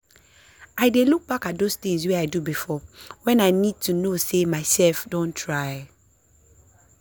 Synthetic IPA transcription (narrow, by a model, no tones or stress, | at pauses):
aɪdeluk̚b̥akat̚dostĩŋsweaɪdubifɔwɛ̃naɪnid̚tʰunosemaɪsɛlfdõntʰɹaɪ